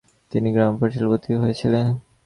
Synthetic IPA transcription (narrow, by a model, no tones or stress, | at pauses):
t̪iniɡɾampaɾʃelbot̪iɦoet͡ɕʰilen